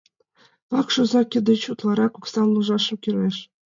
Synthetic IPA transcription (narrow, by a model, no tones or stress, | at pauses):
pɑkʃŭzɑkʲɘ̆d̪ɘ̆t͡ɕut̪lˠɑɾɑkuksɑnlˠuʒɑʃɤ̆mkʲyrʲeʃ